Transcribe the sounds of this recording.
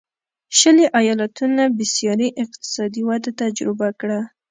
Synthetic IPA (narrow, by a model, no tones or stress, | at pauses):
ʃəleʔajɑlat̪unabɪsjɑɾiʔɪq̚t̪ɪ̥sɑd̪iwad̪at̪ad͡ʒɾɪbakɽa